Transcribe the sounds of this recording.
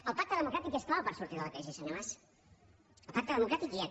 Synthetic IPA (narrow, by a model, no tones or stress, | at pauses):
əlˠpak̚t̪əðəmukɾat̪ikest̪aβəpəɾsuɾt̪iðələkɾesisəɲomas | əlˠpak̚t̪əðəmukɾat̪ikia